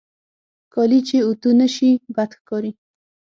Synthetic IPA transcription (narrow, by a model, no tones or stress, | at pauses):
kɑlit͡ʃeut̪unəʃibad̪xkɑɾi